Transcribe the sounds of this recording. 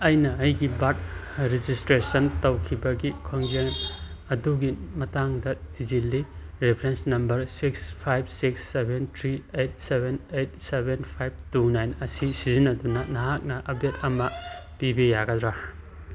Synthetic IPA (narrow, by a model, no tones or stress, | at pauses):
ɐjnɐɐjɡibat̚ | ɾed͡ʒistɾesɐntɐwkʰibɐɡikʰoŋd͡ʒeŋ | ɐduɡimɐtaŋdɐtid͡ʒilːiɾepʰɾensnɐmbɐɾsikspʰajb̚siksːebʱentʰɾiejt̚sebenejt̚sebenpʰajb̚tunajnɐsisizinːɐdunɐnɐɦak̚nɐʔɐb̚det̚ɐmɐpibijaɡɐdɾa